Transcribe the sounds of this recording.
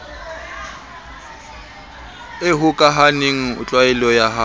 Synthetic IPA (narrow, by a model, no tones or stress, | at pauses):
ɪɦʊkʼaɦaneŋ̩ʊ̰t͡ɬʼwaɛlɔjaɦa